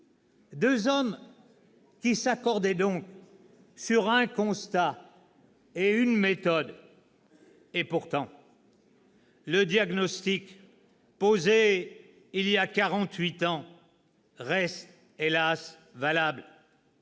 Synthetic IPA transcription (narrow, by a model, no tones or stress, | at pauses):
d̪øzɔm | kʲisakɔʁd̪ɛd̪ɔ̃k | syʁɛ̃kɔ̃st̪a | eynmet̪ɔd̪ | epuʁt̪ɑ̃ | ləd̪jaɡnɔst̪ik | poze | ilijakʲaʁɑ̃t̪ɥit̪ɑ̃ | ʁɛst̪ | elas | valabl